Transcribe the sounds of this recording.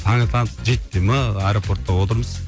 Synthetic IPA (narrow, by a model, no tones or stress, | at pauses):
t̪ʰɑŋət̪ʰɑnsd͡ʒet̪ːeməajɾopʰo̞ɾt̪ːɑwot̪əɾməz̥